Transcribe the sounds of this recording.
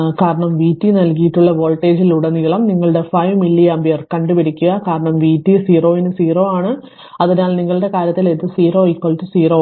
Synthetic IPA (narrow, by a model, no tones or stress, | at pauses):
kaːɾɐɳɐmʋiːtːinɐlkijiʈːuɭːɐʋo̞ːlʈːe̞ːd͡ʑiluɽeniɐɭɐmniŋːɐɭɨɽe̞fɐjʋmilːiɐmbijɐrkɐɳɖɨupɐɾikʲːuɣɐkaːɾɐɳɐmʋiːtːisiːro̞ːinɨsiːro̞ːaːɳɨ | ɐðinaːlniŋːɐɭɨɽe̞kaːɾjɐt̪ːilet̪ːɨsiːɾo̞ːikːoɭtːɨsiːro̞ː